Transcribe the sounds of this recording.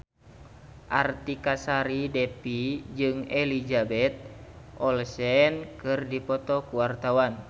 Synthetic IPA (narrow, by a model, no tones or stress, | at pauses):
ʔart̪ikasaɾidɛpid͡ʒɨŋɛlid͡ʒabɛt̪̚ | ʔɔlsɛnkɨrdipɔt̪ɔkuwart̪awan